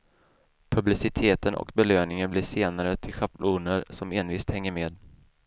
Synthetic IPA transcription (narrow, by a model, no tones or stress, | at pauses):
pʰɵblɪsɪt̪ʰeːt̪ənɔ̰kbɛløːnɪŋənblɪʂeːnaɾət̪ʰɪlɧaplʔuːnəɾsɔmeːnviːst̪hɛŋːəɾmeːd̪